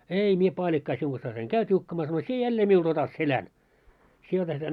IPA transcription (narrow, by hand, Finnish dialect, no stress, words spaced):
ei mie pɑːlʲikːɑː siuŋ ɡ̊ɑsːɑis eŋ kæy tʲiukːɑmɑː sɑno sie jælːeː miuld̥ otɑt selæn sie otɑt sel̆æ̆n̆